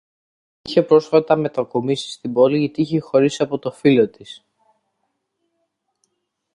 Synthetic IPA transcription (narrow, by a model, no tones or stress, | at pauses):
içe̞pɾo̞sfɐt̪ɐme̞t̪ɐkomisi̥st̪ibo̞liʝɐt̪iiçexo̞ɾisɐpo̞t̪o̞filo̞t̪is